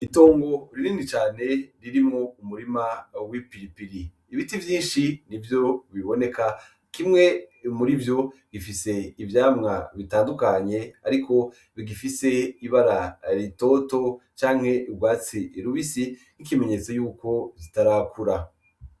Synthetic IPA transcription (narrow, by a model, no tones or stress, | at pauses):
ito̞ːŋɡo̞ɾiɾiːndit͡ʃaːne̞ɾiɾimŋo̞umuɾimawipiɾipiɾiː | βitivjiːnʃinivjo̞βiβo̞ne̞ka | kimŋe̞muɾivjo̞ɡifise̞ivjaːmŋa̰βitaːndukaɲe̞a̰ɾiko̞ | βiɡifise̞iβaɾaɾito̞ːto̞t͡ʃaːŋhe̞ibɡwaːt͡siɾuβisinikime̞ɲe̞t͡so̞juːko̞zitaɾaːkʰuɾa